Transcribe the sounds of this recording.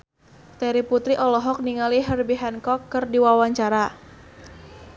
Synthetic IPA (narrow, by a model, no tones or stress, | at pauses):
t̪ɛɾiput̪ɾiʔɔlɔɦɔk̚niŋaliɦərbiɦɛnkɔkːərdiwawaɲt͡ʃaɾa